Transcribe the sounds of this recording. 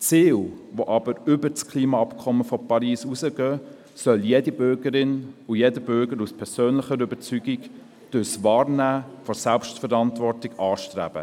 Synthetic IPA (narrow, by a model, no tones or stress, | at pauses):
t͡siːlʋoʔɑbəɾʏbət͡skʰliːmɑɑpkʰɔməfɔpʰɑɾiːsusəɡœː | sœljedibʏɾɡəɾɪnʊjedəbʏɾɡəɾuspʰɛɾsøːnlɪχəɾʏbət͡syːɡik | d̥ʊsʋɑːɾnæːfɔsɛlpʃtfəɾɑntvɔɾtɪɡɑːʃtɾæ̰ːb̥ə̰